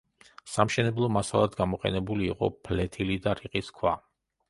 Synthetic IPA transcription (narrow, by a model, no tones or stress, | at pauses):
samʃɛnɛblˠɔmasalˠad̪ɡamɔqʼɛ̰nɛbuliːqʼɔ̰pʰlɛt̪ʰilid̪aɾiqʼiskʰwa